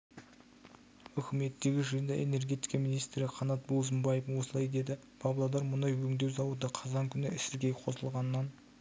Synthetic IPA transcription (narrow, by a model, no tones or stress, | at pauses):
ʏkʲɪme̞t̪ːe̞ɡʲɪʒəjənd̪ɑʔe̞̰ne̞ɾɡʲe̞t̪i̥jkɑminijst̪ɾɪqʰɑnɑt̪̚bolˠzəmbɑjefwo̞səlˠɑjd̪e̞d̪ɪ | pʰɑblˠod̪ɑɾmʊnɑjwɵŋd̪e̞wsɑwəd̪əqʰɑzɑŋkʲʰʏnɪɪsɪɾɡʲe̞jqʰo̞səlˠʁɑnəːɑn